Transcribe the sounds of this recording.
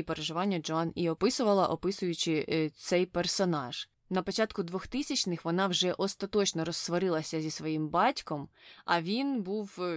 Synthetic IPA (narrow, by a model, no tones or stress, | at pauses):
ipeɾeʒɪʋɑnʲːɐd͡ʒɔɑniɔpɪsʊʋɐlˠɐʔɔpɪsʊjʊt͡ʃɪt̪sɛjpersɔnɑʒ̥ | nɐpɔt͡ʃɑt̪kʊd̪ʋɔxt̪ɪsʲɐt͡ʃnɪxʋɔnɑwʒɛʔɔst̪ɐt̪ɔt͡ʃnɔɾɔsːʋɔɾɪlˠɐsʲɐzʲisʋɔjimbɑtʲkɔmɐʋʲinbuw